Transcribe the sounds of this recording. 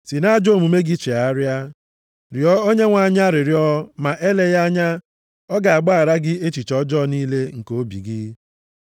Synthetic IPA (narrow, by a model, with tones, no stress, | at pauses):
si˨na˦d͡ʒo˦˨mu˨me˦ɡɪ˦t͡ʃe˨a˦ɾja˦ | ɾɪ˨ɔ˦o˦ɲe˦ŋʷa˨ɲa˦ɾɪ˨ɾjɔ˦ma˨ʔe˦le˦ja˦ɲa˦ | ɔ˦ɡa˨a˨ɡ͡ba˦a˨ɾa˦ɡɪ˦e˦t͡ʃi˨t͡ʃɔ˦d͡ʒɔ˦niː˦le˦ŋ̩˨ko˦bḭ˨ɡɪ˦